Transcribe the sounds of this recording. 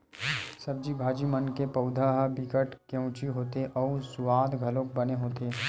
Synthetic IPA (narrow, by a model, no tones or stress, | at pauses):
sɐb̚d͡ʒibʱaːd͡ʒimənkepɐʊd̪ʱaɦbɪkəʈkjə̃ʊt͡ʃiɦoːt̪eʔɔːsʊʋaːd̪ɡʱɐlõːk̚bɐneɦoːt̪eː